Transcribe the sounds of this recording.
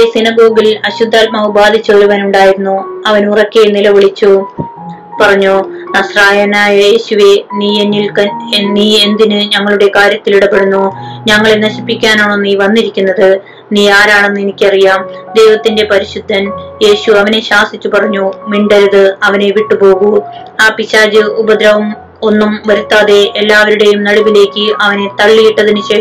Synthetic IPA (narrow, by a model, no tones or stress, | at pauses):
esinɐɡo̞ːɡilɐɕud̪ʱːaːl̚mɐubaːd̪ʱit͡ɕːeːɾuʋɐːnuɳɖaːjiɾunːuɐʋɐnurɐkʲːenilɐʋiɭit͡ɕːu | pɐrɐɲːunɐsraːjɐnaːjɐje̞ːɕuʋe̞niːenːilɐniːe̞nd̪inɨɲɐŋːɐɭuɽe̞kaːɾjɐt̪ːiliɽɐbe̞ɽunːuɲɐŋːɐɭenɐɕipːikʲːaːnoːɭenːiːʋɐnːiɾikʲːunːɐðɨ | niːaːɾaːɳe̞nːɨenikʲːɐrijaːmd̪e̞ːʋɐt̪ːinde̞pɐɾiɕud̪ʱːɐnje̞ːɕuɐʋɐne̞ɕaːsit͡ɕːupɐrɐɲːumiɳɖɐɾɐðɨɐʋɐne̞ʋiʈːɨpo̞ːɣu | aːpiɕaːd͡ʑɨubɐd̪ɾɐʋum | o̞nːumʋɐɾut̪ːaːðe̞elːaːʋɐɾuɽe̞jumnɐɽuʋile̞ːkʲːɨʔɐʋɐne̞t̪ɐɭːijiʈːɐðinɨɕe̞ː